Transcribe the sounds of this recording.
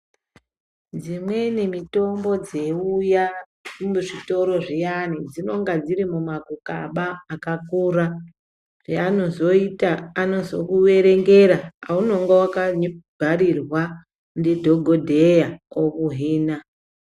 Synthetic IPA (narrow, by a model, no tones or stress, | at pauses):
d͡zimwenemito̞mbo̞d͡ze̞uja | muʐito̞ɾo̞ʐijanid͡zino̞ŋɡad͡ziɾimumakuka̰ɓaːkakuːɾa | ʐ̥eano̞zoitaːno̞zo̞kuwe̞ɾe̞ŋɡe̞ɾaauno̞ŋɡawakaɲbʱaɾirwa | ndidʱo̞ɡʱodʱejaokuɦiːna